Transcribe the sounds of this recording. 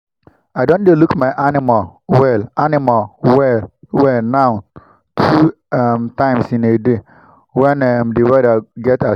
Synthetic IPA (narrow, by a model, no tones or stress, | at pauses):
ajdõndelukmaɪʔanɪmawɛlanimalwɛwɛlnaʊ | tʰu | mtãɪ̃msĩnede | wɛnɛmdeɹadaɡɛta